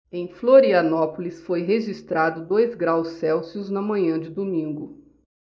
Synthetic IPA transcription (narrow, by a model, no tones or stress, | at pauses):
ẽj̃floɾiɐnɔpʊlisfojɦeʒist̪ɾad̪ʊd̪ojzɡɾawsːɛwsiʊznɐmɐ̃ɲɐ̃d͡ʒɪd̪omĩŋɡʊ